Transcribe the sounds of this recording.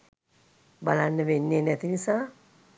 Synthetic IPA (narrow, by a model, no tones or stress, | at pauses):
balanːəʋenːenɛt̪inisaː